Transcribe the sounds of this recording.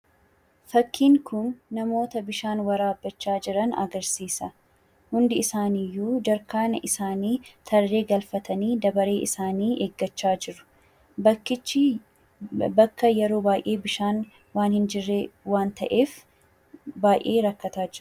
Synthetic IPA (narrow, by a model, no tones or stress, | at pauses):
fɐkːiːŋkʰʊnːɐmo̞ːt̪ɐbɪʃaːnwɐɾaːbːɐt͡ʃːaːd͡ʒɪɾɐnɐ̰ɡɐɾsiːsɐ | hʊnd̪ɪɪsaːnijːuːd͡ʒɐɾkaːnɐʔɪsaːniːt̪ʰɐrːe̞ːɡɐlfɐt̪ɐniːd̪ɐbɐɾe̞ːʔɪsaːniːʔeːɡːɐt͡ʃːaːd͡ʒɪɾʊ̥ | bkːɪː | bɐkːɐjɛɾo̞ːbaːjʔe̞ːbɪʃaːn | waːnhɪnd͡ʒɪrːeːwaːnt̪ɐʔe̞ːf | baːjʔe̞ːɾɐkːɐt̪aːd͡ʒɪɾʊ